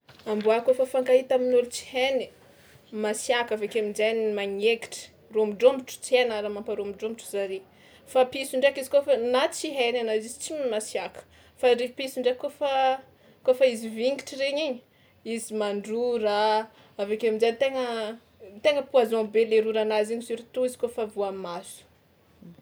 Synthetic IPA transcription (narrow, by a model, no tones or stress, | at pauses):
ambuakofəfaŋɡaɦit̪aminulut͡si̥heni | masjakavekaminzanimaɲeki̥ʈ͡ʂə̥ | romiɖ͡ʐombiʈ͡ʂu̥t͡senaɾamampaɾomiɖ͡ʐombiʈ͡ʂu̥zaɾe | fapisuɳɖ͡ʐeakizi̥kofanat͡siɦenanazizi̥t͡simmasjakə̥ | faɾepisuɳɖ͡ʐakːofa | kofaiziviŋɡiʈ͡ʂiɾeɲiɲi | izimaɳɖ͡ʐuɾa | avekamind͡zanit̪eŋə | t̪eŋəpuazɔ̃beleɾuɾanaziɲisuɾit̪uizi̥kofavuamasu̥